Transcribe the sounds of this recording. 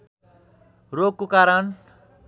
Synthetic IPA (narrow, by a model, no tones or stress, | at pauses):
roɡ̚kokaɾʌn